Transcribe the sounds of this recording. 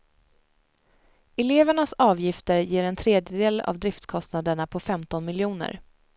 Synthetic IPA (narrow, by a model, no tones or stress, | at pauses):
ɛleːvəɳasɑːvjɪft̪əɾjeːɾɛnt̪ʰɾeːd̪jəd̪eːla̰vd̪ɾɪft̪skʰɔst̪nad̪əɳapʰɔfɛmt̪ɔnmɪljuːnə̰ɾ